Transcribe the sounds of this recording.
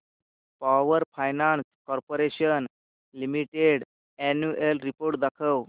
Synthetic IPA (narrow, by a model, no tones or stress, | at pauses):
paʋəɾfajnanskɔɾpoɾeɕən | limiʈeɽ | ɛnjuelɾipoɾʈ̚d̪akʰəw